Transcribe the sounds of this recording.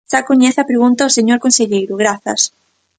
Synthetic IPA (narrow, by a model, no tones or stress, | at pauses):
ʃakoɲɛθɐpɾeɣunt̪aoseɲoɾkõnseʎejɾʊɣɾaθɐs